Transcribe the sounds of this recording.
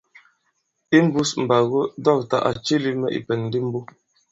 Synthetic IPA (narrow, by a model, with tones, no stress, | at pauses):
i˦m̩˦bu˦sm̩˨ba˨ɣo˦dɔ˦˨k̚ta̰˨ʔa̰˨t͡ʃi˦li˦mɛ˦ʔḭ˨pɛ˨nn˦di˦m̩˦bu˦